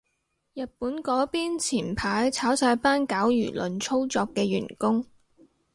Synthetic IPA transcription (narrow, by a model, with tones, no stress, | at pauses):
jɐ˨t̚puː˨˥nkɔː˨˥piː˥nt͡sʰiː˨˩npʰaː˨˥jt͡sʰaː˨˥wsaː˧jpaː˥nkaː˨˥wjy̰ː˨˩lɵ˨˧nt͡sʰo˥wt͡sɔː˧kːɛː˧ɥy̰ː˨˩nkʊ˥ŋ